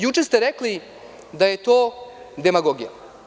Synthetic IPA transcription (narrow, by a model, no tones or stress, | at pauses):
jut͡ʃest̪eɾekli | d̪aje̞t̪oː | d̪emaɡoɡija̰